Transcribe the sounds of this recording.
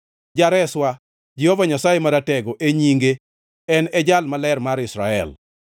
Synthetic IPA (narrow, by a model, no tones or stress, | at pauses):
d͡ʒaɾɛswa | d͡ʒɪhovaɲasajemaɾatɛɡɔʔeɲiŋɡe | ɛnɛd͡ʒalmalɛrmaɾɪsɾa̰ɛ̰l